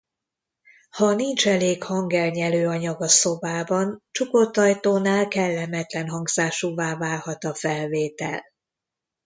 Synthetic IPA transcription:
hɒnint͡ʃɛleːkhɒŋɡɛlɲɛløːɒɲɒɡɒso̞baːbɒnt͡ʃuko̞t̪ːɒjt̪oːnaːlkɛlːɛmɛt̪lɛnɦɒŋɡz̥aːʃuvaːvaːrhɒt̪ɒfɛlveːt̪ɛ̰l

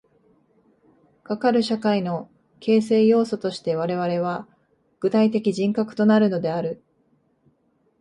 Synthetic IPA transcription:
kakaɾɯ̟ɕakaino̞ | kʰe̞ːse̞ːjo̞ːso̞t̪o̞ɕi̥t̪e̞β̞aɾe̞β̞aɾe̞β̞a | ɡ̥ɯ̟t̪ait̪e̞kʲiʑĩŋkakɯ̟̥t̪o̞naɾɯ̟no̞d̪e̞aɾɯ̟

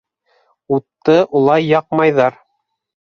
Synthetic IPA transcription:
ut̪ːɤʔulˠɑjːɑq̚mɑjðɑɾ

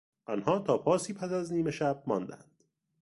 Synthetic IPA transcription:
ʔɒnhɒːt̪ʰɒːpʰɒːsiːpʰæsæzniːmeʃæb̚mɒːnd̪æ̰nd̪̥

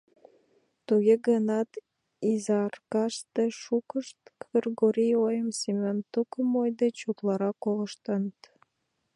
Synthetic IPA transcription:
t̪uɣeɡənɑt̪ | izɑrkɑʃt̪eʃukəʃt̪kərɣoɾʲijojəmsemʲont̪ukəmojd̪et͡ɕut̪lɑɾɑkoləʃt̪ənət̪

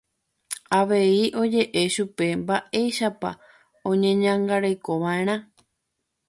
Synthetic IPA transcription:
aʋe̞iʔo̞d͡ʒe̞ʔe̞ʃupe̞mbaʔe̞jʃapa̰ | õ̞ɲẽɲãŋɡaɾejko̞ʋaẽ̞ɾ̃ã

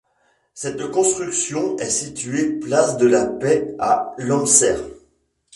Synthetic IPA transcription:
sɛt̪kɔ̃st̪χyksjɔ̃ɛsit̪ɥeplasd̪əlapɛa̰lɔ̃msɛ̰ːʁ

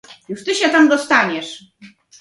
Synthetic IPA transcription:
juʂt̪ɨɕɛt̪amd̪ɔst̪aɲɛʂ

